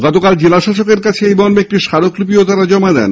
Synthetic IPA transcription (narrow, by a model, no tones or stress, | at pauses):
ɡɔt̪okald͡ʑelaʃaʃokeɾkat͡ɕʰeejbɔɾmeek̚ʈiʃaɾoklup̬iot̪aɾad͡ʑɔmad̪ɛ̰n